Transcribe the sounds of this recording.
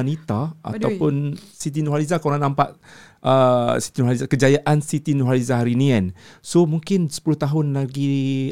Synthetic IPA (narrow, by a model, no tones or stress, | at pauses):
nit̪aʔa̰t̪awpʊnsit̪̬inoɦalizakawɾanãmpaʔʔəsi̥t̪inoɦalizakəd͡ʒajaʔansit̪inuɦalizaɦaɾinĩkansomũŋkɪnsə̥pulʊht̪aɦʊnlaɡi